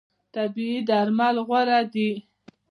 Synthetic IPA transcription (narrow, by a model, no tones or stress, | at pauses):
t̪abiid̪aɾmalɣwaɾad̪i